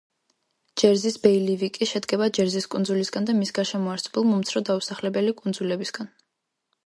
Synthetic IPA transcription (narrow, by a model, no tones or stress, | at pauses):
d͡ʒɛɾzisbɛilivikʼiʃɛd̪ɡɛbad͡ʒɛɾziskʼund̪zulisɡand̪amisɡaʃɛmɔaɾtsʰɔbɛlˠmɔmt̪sʰɾɔd̪ausaχlɛbɛlikʼund̪zulɛbisɡ̥an